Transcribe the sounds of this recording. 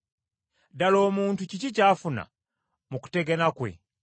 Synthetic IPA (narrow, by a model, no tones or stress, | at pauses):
dalo̞ːmuːntucicicaːfuna̰ | muku̥te̞ɡenakwḛ